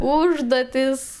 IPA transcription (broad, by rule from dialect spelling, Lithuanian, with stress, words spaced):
ˈuːʒduɔtʲɪs